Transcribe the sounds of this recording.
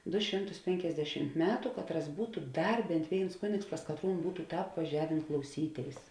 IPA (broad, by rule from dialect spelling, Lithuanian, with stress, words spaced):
ˈdʊ ˈʃʲɪmˌtʊs ˈpʲɛŋʲkʲɛzʲdʲɛʃʲɪmt ˈmʲæːtʊ ˈkɑːtˌrɐs ˈbuːtʊ ˈdɐr ˈbʲɛnt ˈʋʲeːɪns ˈkʊnʲeːks pɐs kɐtˈruːn ˈbuːtʊ ˈtɑːp ʋɐˈʒʲæːʋʲeːn klˠɐʊˈsʲiːˌtʲeːɪs